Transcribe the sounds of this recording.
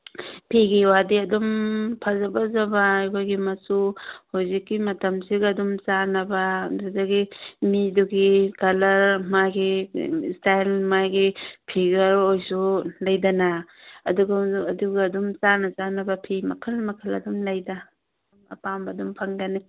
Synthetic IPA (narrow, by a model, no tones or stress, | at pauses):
pʰiɡiwadiɐdumpʰazɐbɐzɐbɐjkʰojɡimɐsuhozikːimɐtɐmsiɡdumt͡ʃanɐbɐduzaɡimiduɡikɐlɐɾmajɡistajlmajɡipʰiɡɐɾojsulɐjdɐnɐɐ̰duɡaɐduɡɐdumt͡ʃanɐt͡ʃanɐbɐpʰimɐ̰kʰɐlmɐkʰɐlɐ̰dumlɐjda | dumɐ̰pambɐdumpʰɐŋdɐni